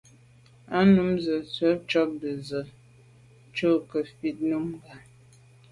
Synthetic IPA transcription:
a˦nu˨˦mzə˨t͡swə˨˦t͡ʃɔ˦k̚bə˨zə˨ | t͡ʃo˦kə˨fi˨t̚nu˦mɡa˨

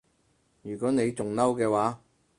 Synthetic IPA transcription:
jyː˨˩kɔː˨˥ne˨˧jt͡sʊ˨ŋnɐ˥wkɛː˧waː˨˥

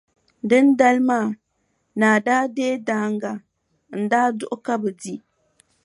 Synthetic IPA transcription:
dɨ˦n˦da˦lmaː˦˨ | na˨daː˦deː˦daː˨˦ŋ˦ɡa˨ | n̩˨daː˦dʊ˦ʔʊ˦ka˦bɨ˨di˦

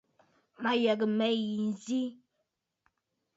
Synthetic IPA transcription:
ma˦jɛ˨ɡə˨mɛ˦˨ji˨n̩˦˨zi˦

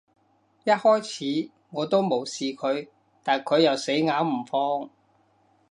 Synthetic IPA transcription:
jɐ˥t̚hɔː˥jt͡sʰiː˨˥ | ŋɔː˨˧t̪o˥wmo˨˩wsiː˨kʰɵ˨˧ɥ | t̪aː˨nkʰɵ˨˧ɥjɐ˨wse˨˥jŋaː˨˥wm̩˨˩fɔː˥ŋ

